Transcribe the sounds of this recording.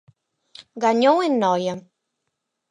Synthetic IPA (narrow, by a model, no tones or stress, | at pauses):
ɡaɲowenːɔja